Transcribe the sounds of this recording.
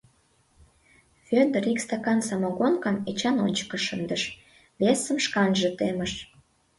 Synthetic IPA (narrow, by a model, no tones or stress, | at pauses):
fød̪ərikst̪ɑkɑnsɑmɑɣonkɑmet͡ɕɑnonʲt͡ɕə̥kə̆ʃənd̪əʃ | βesə̆mʃkɑnʒə̆t̪eməʃ